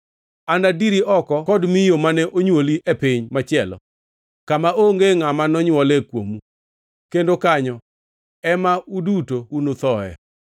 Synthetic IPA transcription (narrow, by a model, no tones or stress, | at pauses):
andadiɾiʔɔkɔkɔdmijomanɛʔoɲwoliʔepɪɲmat͡ʃɪɛlɔ̰ | kamaʔoŋɡeŋamanɔɲwɔlɛkwo̰mu | kendokaɲɔ | ɛmaudutounot̪ɔɛ̰